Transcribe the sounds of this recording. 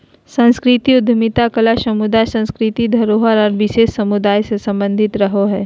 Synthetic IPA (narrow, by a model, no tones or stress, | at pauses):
sə̃nskɾɪt̪iʊd̪ʱmɪt̪akəlaʃɐmʊd̪aːjsɐ̃nskɾɪt̪id̪ʱɐɾoɦəɾɔːɾʋɪʃeːsːɐmʊd̪aːjsesɐ̃mbə̃nd̪ʱɪt̪ɾɐɦoɦɛː